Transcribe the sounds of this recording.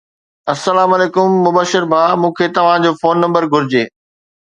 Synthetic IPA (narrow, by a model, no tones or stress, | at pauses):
ɐsːɐlaːmɐleːkʊmːʊbəːʃɪɾbʱaːmũːkʰet̪ɐʋ̤ãd͡ʑoːfoːnːɐ̃mbəɾɡʱʊɾɪd͡ʑeː